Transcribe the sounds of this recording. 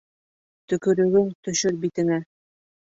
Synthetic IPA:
t̪ɵ̆kɵ̆ɾɵ̆ɡɵŋt̪ɵ̆ʃɵɾbit̪ɘ̆ŋæ

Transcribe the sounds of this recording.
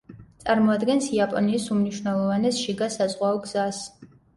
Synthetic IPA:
t̪sʼaɾmɔad̪ɡɛnsiapʼɔniːsumniʃwnɛlˠɔvanɛsʃiɡasazʁwaɔɡz̥as

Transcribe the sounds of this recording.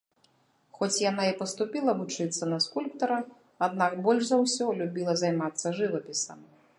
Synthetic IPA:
xɔt͡sʲjan̪aipɐst̪upʲilˠɐvut͡ʂɨt̪sːɐnɐskulʲpt̪ɐɾɐ | ad̪nakbɔlʲʂzawsʲɔlʲubʲilˠɐzajmat̪sːɐʐɨvɐpʲisɐ̰m

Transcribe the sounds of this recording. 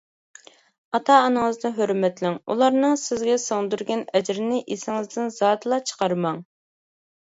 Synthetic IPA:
ɑt̪ʰɑːnɨŋəzd̪ɨɦøɾmɛt̪lɪŋṵlˠɑɾnɨŋsɪzɡʲɛsoŋd̪uɾɡʲɛnɛd͡ʒɾɪnɪʔesɪŋɪzd̪ɪnz̥ɑːt̪lˠɑt͡ʃʰə̥qɑɾmɑŋ

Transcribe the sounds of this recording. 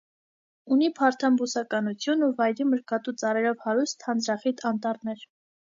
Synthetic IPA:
unipʰɑɾt̪ʰɑmbusɑkɑnut͡sʰjunuvɑjɾiməɾkɑt̪ut͡sɑɾɛɾɔvhɑɾust̪ʰhɑnd͡zɾɑχit̪ʰɑnt̪ɑɾnɛɾ

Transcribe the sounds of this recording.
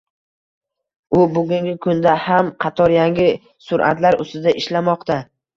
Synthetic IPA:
ʊbʊɡʲʊŋɡʲɪkʰʊnd̪ahamqʰɑt̪ʰɒɾjaŋʲɪ | sʊɾʔa̰t̪laɾʊ̰st̪ɪd̪aʔɪʃlamɒqt̪a

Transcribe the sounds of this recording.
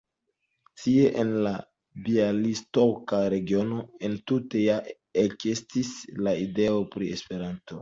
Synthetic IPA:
tieʔenla | bialistokaɾe̞ɡio̞no̞e̞ntute̞ja | ekestislaide̞o̞pɾiespe̞ɾanto̞

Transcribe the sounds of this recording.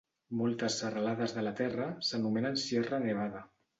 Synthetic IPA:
mɔlˠt̪əsːərəlaðəzðəlat̪ɛrəsənumɛnənsjɛrəneβ̞aðə

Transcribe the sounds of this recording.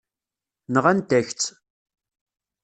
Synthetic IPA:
nəʁænt̪æçt͡sː

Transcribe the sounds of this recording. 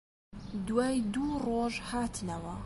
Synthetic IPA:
d̪waːjd̪uːroːʒhaːt̪ʰnɐwɐ

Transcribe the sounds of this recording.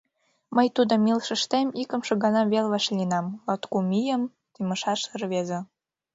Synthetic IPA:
məjt̪ud̪ə̆milʃə̆ʃt̪emikə̆mʃɤ̆ɣɑnɑβelβɑʃlʲinɑmot̪kumijəm | t̪ymə̆ʃɑʃərβezĕ

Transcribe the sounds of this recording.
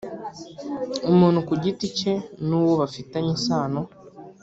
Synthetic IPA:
umuːn̤̥hukuɟitice̞nuːwoβafitaɲinsaːno

